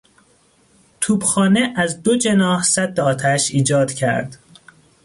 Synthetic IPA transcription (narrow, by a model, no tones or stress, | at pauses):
t̪ʰuːbxɒːneʔæzd̪o̞d͡ʒe̞nɒːhsæd̪ːeɒːt̪ʰæʃiːd͡ʒɒːd̪̥cʰæ̰ɾd̪̥